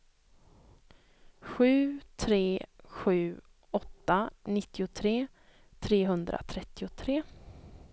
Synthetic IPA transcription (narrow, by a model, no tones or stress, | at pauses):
ɧʉ̟ːt̪ʰɾeːɧʉ̟ː | ɔt̪ːanɪt̪ːɪʊt̪ʰɾeː | t̪ʰɾeːɦɵnd̪ɾa̰t̪ʰɾɛt̪ːɪʊt̪ʰɾeː